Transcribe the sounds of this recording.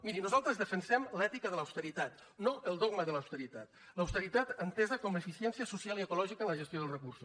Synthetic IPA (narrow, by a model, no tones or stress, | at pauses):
miɾinuzalˠt̪ɾəzðəfənsɛmlɛt̪ikəðələwst̪əɾit̪at̪ | noəlˠd̪ɔɡməðələwst̪əɾit̪at̪ | ləwst̪əɾit̪at̪ənt̪ɛzəkɔmefisɛnsiəsusialiəkulɔʒikənləʒəst̪joð̞əlˠrəkursu